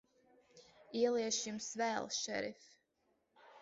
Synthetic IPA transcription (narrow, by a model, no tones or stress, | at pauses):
iɛlˠiɛʃjumsvɛːlˠʃɛ̰ɾḭf